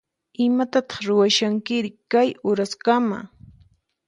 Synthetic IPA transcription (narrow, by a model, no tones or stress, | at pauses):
ɪmat̪at̪ɑ̥χɾʊwaʃaŋkɪɾɪkajʊɾaskama̰